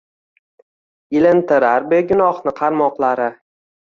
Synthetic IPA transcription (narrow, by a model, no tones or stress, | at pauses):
ɪlɪnt̪ɪɾaɾbeɡʲʊnɒχnɪqʰɑɾmɒqlˠaɾɪ